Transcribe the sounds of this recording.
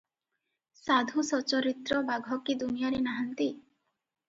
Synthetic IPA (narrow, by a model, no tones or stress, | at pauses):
sad̪ʱusɔt͡ʃɔɾit̪ɾɔbaɡʱɔkid̪unijaɾenaɦant̪i